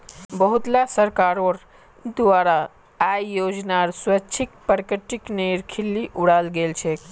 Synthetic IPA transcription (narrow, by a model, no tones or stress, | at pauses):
bəɦut̪lasəɾkaɾoɾ | d̪ʋaːɾa | ajjod͡ʒnaɾswəːt͡ʃʰikpəɾkəʈːikneɾkʰilːiʔuɽalɡelt͡ʃʰɛ